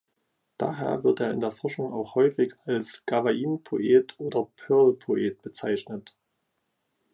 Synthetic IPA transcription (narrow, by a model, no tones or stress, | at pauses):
d̥a̰ːɦḛːɐvɪɐteːɐɪ̰ndeːɐfɔɐʃʊŋa̰ʊxhɔʏfɪçalsɡ̥avaiːnpʰoʔeːtʔoːdɐpʰœɐlpʰoʔeːt̚b̥ət͡saɪçnət